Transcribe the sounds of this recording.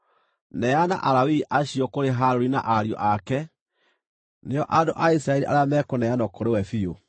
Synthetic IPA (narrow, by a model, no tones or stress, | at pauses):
nɛjana̰ʔaɾawiʔaɕiɔkoɾeɦaɾoɾina̰ʔaɾjɔ̰ʔakɛ | neɔʔadoʔais̬ɾaɛɾiʔa̰ɾeamɛkonɛjanɔkɔɾewɛfio